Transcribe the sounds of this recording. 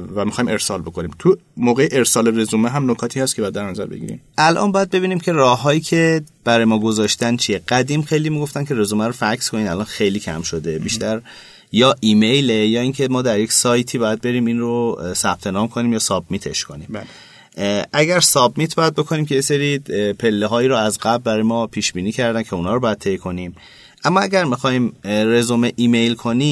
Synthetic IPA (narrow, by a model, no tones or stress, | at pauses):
væmixɒːjime̞ɾsɒːlbo̞kʰoniːmt̪ʰumoːɣejeʔeɾsɒːleɾezumeɦæmnokʰɒːt̪ʰiːhæst̪kʰeɒjæd̪d̪æɾnæzæ̰ɾbeɡɟḭːɾḭmʔælʔɒ̰nbɒːjæd̪̚be̞βiːniːmcʰerɒːhːɒːjiːcʲʰe̞b̥æɾɒːjemɒːɡozɒːʃt̪ænt͡ʃʰijeɡ̥æd̪iːmxe̞jliːmiɡo̞ft̪æncʰe̞ɾezuːmæɾofækskʰonid̪ælɒːnxejliːcʰæ̰mʃo̞d̪e̞biʃt̪æɾ | jɒːʔiːmejlejɒːiːŋcʰe̞mɒːd̪æɾje̞cʲsɒːjt̪ʰiːbɒːjæd̪̚be̞ɾiːminrosæb̥̚t̪ʰe̞nɒːmkʰo̞niːmjɒːsɒbmit̪ʰe̞̰ʃkʰonḭːm | ʔæɟæɾsɒbmit̪̚ʰbɒjæd̪̚be̞kʰo̞nimcʰʲeje̞se̞ɾipʰe̞lːeɦɒːiːɾuæzɡæblbæɾɒːjemɒːpʰiːʃbiːniːcʰæɾd̪æncʰe̞unhɒːɾobɒːjæd̪̚t̪ʰe̞jkʰo̞nim | ʔæmːɒæɡæɾmixɒːhimre̞zomeʔiːme̞jlkʰo̞ni